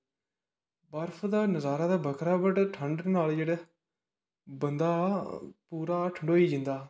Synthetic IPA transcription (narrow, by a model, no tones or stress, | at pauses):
bəɾpʰd̪aːnəzaːɾaːd̪aːbəkʰɾaːbəʈʈʰəɳɖnaːld͡ʒeɽe | bənd̪aːpuːɾaːʈʰəɳɖoːiːd͡ʒɪnd̪aː